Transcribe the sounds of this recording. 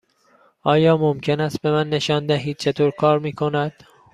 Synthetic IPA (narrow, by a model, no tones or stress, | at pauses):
ʔɒːjɒːmomcʰe̞næst̪̚be̞mænːe̞ʃɒːnd̪æɦiːd̪̥̚t͡ʃʰe̞t̪ʰoːɾkʰɒːɾmiːkʰo̞næd̪̥